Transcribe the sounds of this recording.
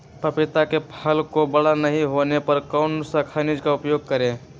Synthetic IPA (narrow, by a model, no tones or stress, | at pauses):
pɐpɪt̪akepʰəlkobɐɽanɐɦĩɦoːnepɐɾkaʊnsakʰanɪd͡ʒkaʊpjoːɡ̚kəɾẽː